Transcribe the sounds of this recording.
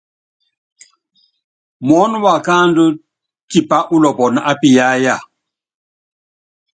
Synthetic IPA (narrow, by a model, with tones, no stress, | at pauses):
mwɔ˦nɔ˦wa˨kaː˦ndu˦ | ti˨pa˦ʔu˦lɔ˨pɔ˨na˦˨ʔa˦pi˨ja˦ja˨